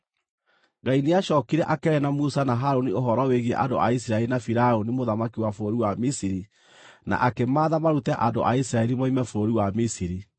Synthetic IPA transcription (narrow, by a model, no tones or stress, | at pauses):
ɡaineaʃɔːkiɾɛʔakɛnamusanaɦaɾonioɦɔɾɔweɣiḛʔando̰ais̬iɾaɛɾinafiɾaonimoðamakiwafooɾiwamisiɾi | na̰ʔakemaːðamaɾutɛʔando̰ʔais̬ɾaɛɾimɔimɛfoɾoɾiwamisiɾi